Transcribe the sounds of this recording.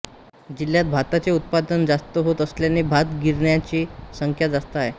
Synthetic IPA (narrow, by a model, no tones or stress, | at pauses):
d͡ʑiljat̪̚bʱat̪at͡seut̪̚pad̪ənd͡zast̪əɦot̪əsljanebʱat̪ɡiɾɳjat͡ɕisəŋkʰjad͡zast̪əaɦe